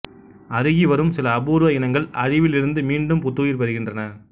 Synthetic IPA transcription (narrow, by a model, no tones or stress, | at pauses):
ɐɾɯɣiʋɐɾɯmsɪlɐːbuːɾʋɐjɪnɐŋɡɐɭɐɻɪʋɪlɪɾɯnd̪ɯmiːɳɖɯmpʊt̪ːuːjɪɾpɐɾɯɣɪndrɐnɐ